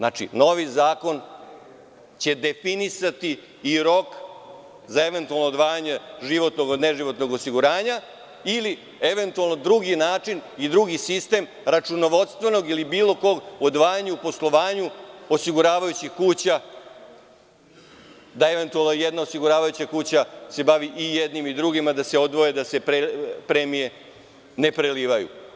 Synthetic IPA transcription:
nat͡ʂḭno̞ʋizaːko̞n | t͡ɕe̞d̪e̞finisat̪i | iɾo̞k | zae̞ʋe̞nt̪ualˠnoːd̪ʋaːjaɲe̞ʒiʋo̞t̪noɡ̪neʒiʋo̞t̪no̞ɡosiɡuɾaːɲa | ili | eʋe̞nt̪ualˠno̞d̪ɾuɡinaːt͡ʂinid̪ɾuɡisist̪e̞ːm | ɾat͡ʂuno̞ʋod̪st̪ʋe̞no̞ɡilibiːlˠo̞ko̞ɡod̪ʋaːjaɲuupo̞slˠo̞ʋaːɲuo̞siɡuɾaːʋajut͡ɕixkuːt͡ɕa | d̪aeʋe̞nt̪ualˠnojed̪nao̞siɡuɾaːʋajut͡ɕakuːt͡ɕase̞baʋiʔijed̪nimid̪ɾuɡimad̪ase̞o̞d̪ʋo̞jed̪ase̞pepɾemije̞ | ne̞pɾeliːʋajṵ

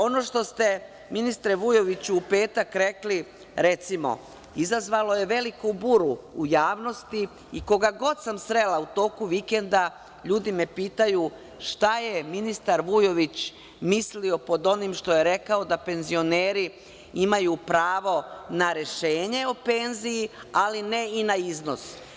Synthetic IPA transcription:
o̞no̞ːʃt̪o̞st̪e̞ | minist̪ɾeʋujo̞ʋit͡ɕuːpe̞ːt̪akɾe̞kli | ɾe̞t̪simo̞̰ | izazʋalˠo̞je̞ʋe̞likobuɾuujaːʋno̞st̪i | iko̞ɡaɡo̞d̪samsɾe̞laut̪o̞ːkuʋike̞nd̪a | ʎuːd̪imepiːt̪aju | ʃt̪ajeminist̪aɾʋujo̞ʋit͡ɕ | mislio̞po̞d̪o̞nimʃt̪o̞je̞ɾe̞kaod̪ape̞nzio̞neːɾi | imajupɾaːʋo̞naɾe̞ʃeːɲe̞o̞pe̞nzijialine̞inaizno̞s

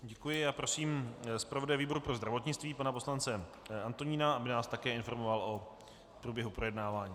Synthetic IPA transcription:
ɟɛkujɪaːpɾo̞siːmspɾavo̞dajviːbo̞ɾupɾo̞zd̪ɾavo̞t̪ɲɪt͡st̪viːpanapo̞slant͡sɛ | ant̪oɲiːnaʔabɪnaːst̪akɛːɪnfo̞ɾmo̞valʔo | pɾuːbjɛɦupɾo̞jɛdnaːvaːɲiː

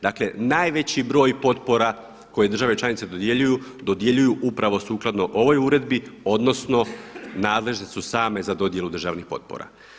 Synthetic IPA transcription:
d̪aːkle̞naːjʋe̞t͡ɕibɾo̞ːjpo̞t̪po̞ɾa | ko̞jed̪r̩ʒaʋe̞t͡ʃlˠanit̪se̞d̪od̪je̞ʎujud̪o̞d̪je̞ʎujuʔupɾaʋo̞suːklˠad̪no̞ʔo̞ʋo̞juɾe̞d̪bio̞d̪no̞sno̞naːd̪le̞ʒt̪esusaːme̞zad̪o̞d̪je̞lud̪r̩ʒaːʋnixpo̞̰t̪̚po̰ɾa̰

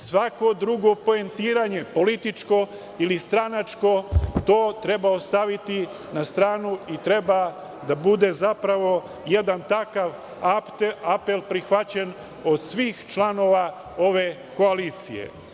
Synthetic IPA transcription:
sʋako̞d̪ɾuɡo̞po̞e̞nt̪iːɾaɲe̞po̞lit̪it͡ʃko̞ | ilist̪ɾanat͡ʃko̞t̪o̞ːt̪ɾe̞baost̪aʋit̪i | nast̪ɾaːnuit̪ɾe̞ba | d̪abud̪e̞zapɾaʋo̞ | je̞d̪ant̪akaʋ | ape̞lpɾixʋat͡ɕen | o̞d̪sʋiːxt͡ʃlˠano̞ʋa | o̞ʋe̞ | ko̞aliːt̪sḭjḛ

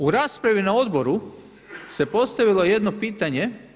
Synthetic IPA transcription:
uɾaːspɾaʋinao̞d̪bo̞ɾu | se̞po̞st̪aʋilˠo̞je̞d̪no̞piːt̪aɲe̞

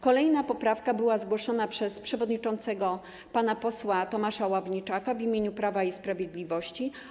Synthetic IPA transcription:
kɔlɛjnapɔpɾafkabɘwazɡwɔʂɔnapʂɛspʂɛvɔd̪ɲit͡ʂɔnt̪sɛɡɔ | panapɔswat̪ɔmaʂawavɲit͡ʂakavimʲjeɲupɾavaispɾavʲjed̪lʲivɔɕt͡ɕi

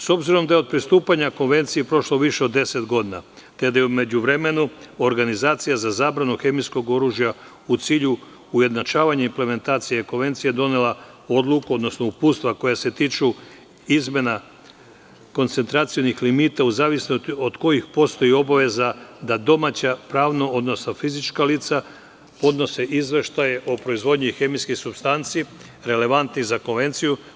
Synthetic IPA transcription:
so̞bziɾo̞md̪ajeod̪̚pɾist̪uːpaɲako̞nʋe̞nt̪sijepɾo̞ʃloʋiʃe̞o̞d̪ːe̞set̪ɡo̞d̪ina̰ | t̪ed̪ajeume̞d͡ʑuʋɾe̞me̞nuo̞ɾɡanizaːt̪sijazazaːbɾanuxe̞misko̞ɡo̞ɾuʒja | ut̪siːʎu | uje̞d̪nat͡ʃaːʋaɲaimple̞me̞nt̪aːt̪sijeko̞nʋe̞nt̪sijed̪o̞nela | o̞d̪lˠukuo̞d̪no̞sno̞upuːt̪st̪ʋako̞jase̞t̪iːt͡ʃu | izme̞na | ko̞nt̪se̞nt̪ɾat̪sijonixlimit̪auzaːʋisnot̪iod̪ko̞jixpo̞st̪o̞jio̞baʋe̞zad̪ad̪o̞mat͡ɕapɾaːʋnoo̞d̪no̞snofizit͡ʃkalit̪sa | po̞d̪no̞se̞ʔizʋeʃt̪ajeʔopɾo̞izʋo̞d̪ɲuixe̞miskixsubst̪ant̪si | ɾe̞le̞ʋant̪nizako̞nʋe̞nt̪siju

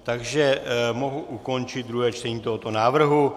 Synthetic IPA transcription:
t̪aɡʒɛmo̞ɦuʔuko̞nt͡ʃɪt̪̚d̪ɾuɦɛːt͡ʃt̪ɛɲiːt̪oɦo̞t̪o̞naːvr̩ɦu

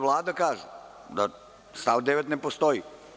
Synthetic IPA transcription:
ʋlˠaːd̪akaːʒu | d̪a̰ | st̪aʋd̪eʋet̪nepost̪oji

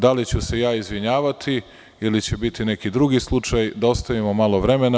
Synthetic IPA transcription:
d̪alit͡ɕuse̞jaːizʋiɲaːʋat̪ʰi | ilit͡ɕe̞bit̪ine̞kid̪ɾuɡislˠut͡ʃajd̪aost̪aʋimomalˠo̞ʋɾe̞me̞na

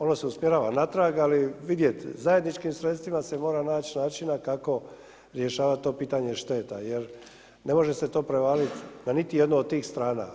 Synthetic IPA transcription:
o̞noseusmje̞ɾaːʋanat̪ɾaɡaliʋid̪je̞t̪zaje̞d̪nit͡ʃkimsɾet̪st̪ʋimase̞mo̞ːɾanaːt͡ɕnaːt͡ʃinakako̞ | ɾje̞ʃaːʋat̪t̪ːo̞ːpiːt̪aɲeʃt̪e̞ːt̪a̰jeɾ | ne̞mo̞ʒese̞t̪o̞ːpɾe̞ʋaːlit̪nanit̪ije̞d̪nood̪̚t̪iːxst̪ɾaːna̰

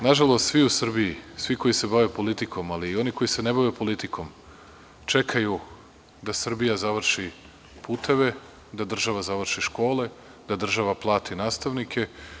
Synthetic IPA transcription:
naʒalˠost̪sʋiusr̩bijisʋiko̞jise̞baʋepo̞lit̪ikʰo̞maliːo̞niko̞jisenebaʋepo̞lit̪ikʰo̞m | t͡ʃekʰaju | d̪asr̩bijazaʋr̩ʃi | pʰuːt̪ʰe̞ʋe̞ | d̪ad̪r̩ʒaʋazaʋr̩ʃiʃko̞ːle̞ | d̪ad̪r̩ʒaʋaplˠaːt̪ʰinaːst̪aʋnikʰe̞

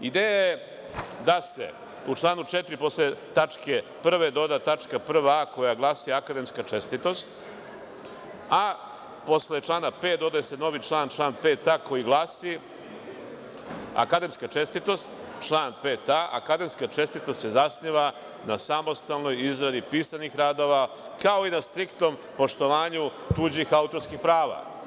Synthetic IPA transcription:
id̪eːjaje | d̪asḛ | ut͡ʃlˠaːnut͡ʃet̪ɾipo̞slet̪at͡ʂke̞pr̩ʋe̞d̪o̞d̪at̪at͡ʂkapr̩ʋako̞jaɡlˠaːsiakad̪e̞mskat͡ʂest̪it̪o̞st̪ | a | po̞slet͡ʃlaːnapeːd̪o̞d̪ajese̞no̞ʋit͡ʃlˠaːnt͡ʃlˠaːnpeːt̪ako̞jiɡlˠasi | a̰kad̪e̞mskat͡ʃe̞st̪it̪o̞st̪ | t͡ʃlˠaːnpet̪aʔa̰kad̪e̞mskat͡ʃe̞st̪it̪o̞st̪sezasniʋa | nasamo̞st̪alno̞jizɾad̪ipiːsanixɾaːd̪o̞ʋa | kao̞inast̪ɾikt̪o̞mpo̞ʂt̪o̞ʋaːɲu | t̪ud͡ʑixaut̪o̞ɾskixpɾaːʋa̰

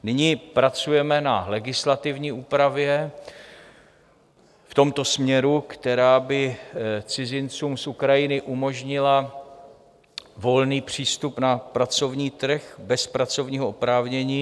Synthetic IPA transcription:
nɪɲiːpɾat͡sujɛmɛna̰lɛɡɪslat̪ɪvɲiːʔuːpɾavjɛ | ft̪o̞mt̪o̞smɲɛɾukt̪ɛɾaːbɪt͡sɪzɪnt͡suːmsʔukɾajɪnɪʔumo̞ʒɲɪla | vo̞lniːpr̝̥iːst̪upnapɾat͡so̞vɲiːt̪r̩xbɛspɾat͡so̞vɲiːɦoopɾaːvɲɛɲiː

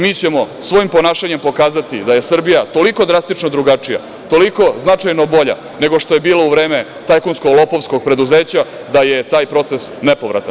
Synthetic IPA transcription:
miːt͡ɕe̞mo̞sʋo̞impo̞naːʃaɲe̞mpo̞kaːzat̪id̪aje̞sr̩bijat̪o̞liko̞d̪ɾast̪it͡ʂnod̪ɾuɡat͡ʂija̰ | t̪o̞liko̞znat͡ʂajno̞bo̞ʎa̰ | ne̞ɡo̞ʂt̪o̞je̞biːlouvɾeːme | t̪ajkunskolˠopo̞ʋsko̞ɡ̚pɾe̞d̪uzeːt͡ɕa | d̪ajet̪aːjpɾo̞t̪sesnepoʋɾa̰t̪a̰n

